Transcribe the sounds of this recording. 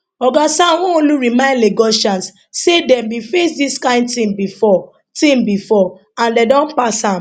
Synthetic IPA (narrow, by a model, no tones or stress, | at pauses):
ɔɡasawɔ̃õluɹimãɪ̃ndleɡɔʃãns | sedɛ̃mbifesdiskãɪ̃ndtĩmbifɔ | tĩmbifɔ | ãndɛdɔ̃npasãm